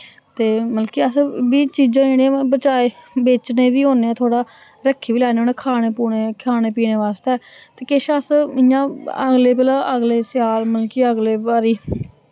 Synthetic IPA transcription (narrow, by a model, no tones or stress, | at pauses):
t̪eːməlkiːəsbiːt͡ʃiːd͡ʒãːɪñẽːbət͡ʃaːeːbeːt͡ʃneːʋiːɦoːneːɛ̃ːt̪ʰoːɽaː | ɾəkʰːiːʋiːlɛːnːoːnẽːkʰaːɽ̃eːpuːɳeːkʰaːneːpiːneːʋaːst̪ɛːt̪eːkɪʃəsɪjãːəɡleːpɛːlãːʔəɡleːsɪjaːlməlkiəɡleːbaːɾiː